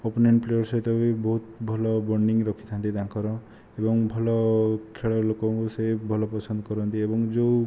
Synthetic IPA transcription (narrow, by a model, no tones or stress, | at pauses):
opneɳʈplejɔɾsɔjt̪ɔbibɔɦut̪bʱɔlɔbɔɾniŋɾɔkʰi̥t̪ʰãnt̪it̪ãkɔɾɔ | ebɔŋbʱɔlɔkʰeɭɔlokɔŋkusebʱɔlɔpɔsɔnd̪ɔkɔɾɔnt̪iebɔŋd͡ʒow